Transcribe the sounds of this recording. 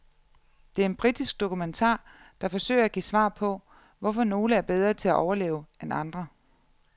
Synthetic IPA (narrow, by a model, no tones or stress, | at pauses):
d̥e̝æɐe̝nb̥ʁid̥isɡ̥̚d̥o̝kʰument͡sʰɑ̰̈ː | d̥ɑ̈fɒ̽sø̰ɪ̰ɐæɡ̥ḭːsʋɑ̰̈ːpʰɒ̽ | ʋɒfɒ̽no̝ːləæɐb̥eð̞ˠʁɐt͡sʰe̝læʔɒʊɐlḛːʊenɑ̈nd̥ʁɐ